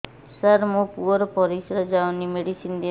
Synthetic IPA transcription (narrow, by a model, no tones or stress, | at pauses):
səɾmopuɔɾpɔɾisɾəd͡ʒaʋnimeɖisind̪i